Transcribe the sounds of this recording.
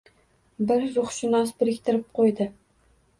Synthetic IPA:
bɪɾzʊχʃɪnɑsbɪɾɪkʲt̪ʰɪɾɪp̚qʰojd̪ɪ

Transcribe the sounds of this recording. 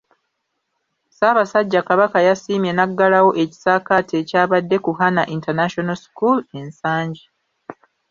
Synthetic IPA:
saːβasaɟːakaβakajasiːmje̞naɡːalawo̞ʔe̞ci̥saːkatʰe̞caːβadːe̞kuhanaʔintanaʃonalsi̥kulensaːɲɟi

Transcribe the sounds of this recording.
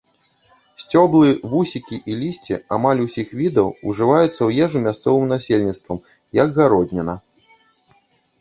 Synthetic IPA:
sʲt͡sʲɔblˠɨvusʲikʲiʔilʲisʲt͡sʲḭamalʲusʲixvʲid̪ɐwṵʐɨvajut̪sːɐwjɛʐumʲast̪sɔvɨmnasʲelʲnʲit̪st̪vɐm | jɐɡɣaɾɔdʲnʲɐnɐ

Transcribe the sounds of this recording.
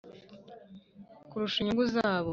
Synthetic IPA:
kuɾuʃiɲuŋɡuzaːβo

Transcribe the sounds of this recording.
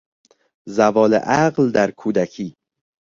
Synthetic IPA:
zævɒːlḛʔæɢld̪æɾkʰuːd̪ækʰiː

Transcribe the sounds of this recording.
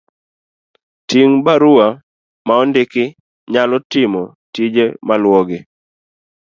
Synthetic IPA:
tiŋbaɾua | maɔndɪkɪ | ɲalɔtɪmɔ | tid͡ʒemalwɔɡɪ

